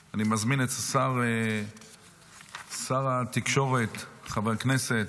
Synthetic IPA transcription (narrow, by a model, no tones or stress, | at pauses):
animazminetasaʁe | saʁat̪ikʃo̞ʁet̪χaveknese̞t